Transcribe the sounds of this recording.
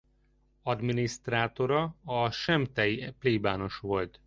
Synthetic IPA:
ɒd̪minist̪raːt̪o̞ɾɒɒʃɛmt̪ɛjpleːbaːno̞ʃʋo̞lt̪

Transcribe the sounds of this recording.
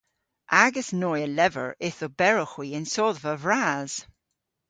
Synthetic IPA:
ʔaɡəsnɔjəlɛvə̰ɹɪθobɛɹɔxwiənsɔðvəvɹaːz̥

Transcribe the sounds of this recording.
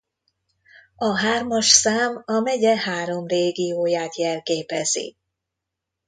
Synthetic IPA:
ɒɦaːrmɒʃsaːmɒmɛɟɛhaːɾo̞mreːɡijoːjaːt̪jɛlkeːpɛz̥ḭ

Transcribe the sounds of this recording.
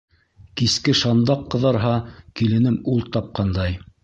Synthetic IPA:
kiskɘʃɑnd̪ɑqːɤ̆ðɑɾɦɑkilɘ̆nɘmulˠt̪ɑp̚qɑnd̪ɑj

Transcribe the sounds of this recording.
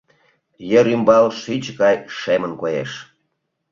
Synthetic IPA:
jeɾymbɑlʃit͡ɕɣɑjʃemənkojḛʃ

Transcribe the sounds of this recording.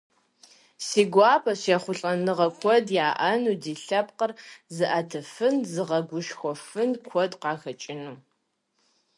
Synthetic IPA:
siːɡʷɑːpʰɐɕɛχʷʊɬʼɐnɨʁɐkʷʰɔdjaːʔɐnuːdiːɬɐpqərzɨʔatʰɨfɨnzɨʁɐɡʷʊʃxʷɔfɨnkʷʰɔdqɑːxɐt͡ʃʼɪnuː

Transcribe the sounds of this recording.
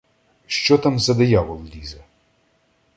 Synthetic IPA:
ʃt͡ʃɔt̪amzɐd̪ɐjaʋɔlˠlʲizɐ

